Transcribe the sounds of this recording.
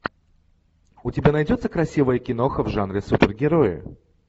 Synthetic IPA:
ʊtʲɪbʲanɐjdʲo̞t̪səkɾɐsʲivəjəkʲɪno̞xəvʐanɾʲɪsupʲɪrɡʲɪɾo̞jɪ̰

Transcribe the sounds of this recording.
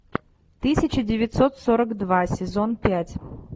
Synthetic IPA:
t̪ɨsʲɪt͡ɕɪdʲɪvʲɪt̪so̞t̪soɾəkd̪vasʲɪzo̞npʲætʲ

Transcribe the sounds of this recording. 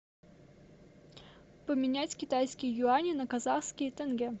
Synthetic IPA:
pəmʲɪnʲætʲkʲɪt̪ajskʲɪjjʊanʲɪnəkɐzaxskʲɪjət̪ɛnɡʲe

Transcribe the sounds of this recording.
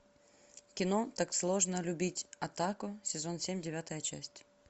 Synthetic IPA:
kʲɪno̞t̪akslˠo̞ʐnəlʲʊbʲitʲɐt̪akʊsʲɪzo̞nsʲemʲdʲɪvʲat̪əjət͡ɕæ̰sʲtʲ

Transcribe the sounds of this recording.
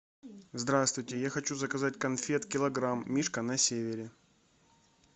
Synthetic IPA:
zd̪ɾast̪vʊjtʲɪjaxɐt͡ɕuzəkɐzatʲkɐnfʲet̪kʲɪlˠɐɡɾamːʲiʂkənɐsʲevʲɪɾʲɪ

